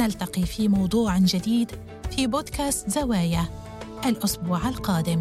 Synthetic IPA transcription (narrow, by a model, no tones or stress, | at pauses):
nalt̪ɑqifimɑwd̪ˤuːʕd͡ʒɪd̪iːd̪ | fiboːd̪kaːst̪zawaːja | ʔalʔʊsbuːʕalqɑːd̪ɪm